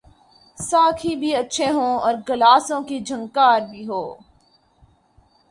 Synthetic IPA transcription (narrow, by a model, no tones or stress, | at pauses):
saːkʰibʱiɐtːʃʰeɦõːɔːɾɡɐlaːsõkid͡ʒʱɐ̃ŋkaːɾbʱiɦoː